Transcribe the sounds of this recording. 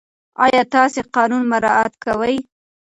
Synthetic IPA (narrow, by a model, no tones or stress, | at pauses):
ɑ̰jɑt̪ɑseqɑnunmaɾɑat̪kawəj